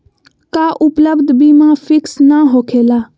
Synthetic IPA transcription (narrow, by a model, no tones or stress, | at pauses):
kaːʔʊpləbd̪ʱbiːmãːfʰɪksnaːɦoːkʰeːlaː